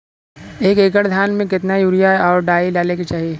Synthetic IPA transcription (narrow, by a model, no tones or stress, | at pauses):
eːkeːk̬əɽd̪ʱjaːnmẽkɪt̪najuːɾijaɔːɾɖaːilaːlekit͡ʃaːɦijeː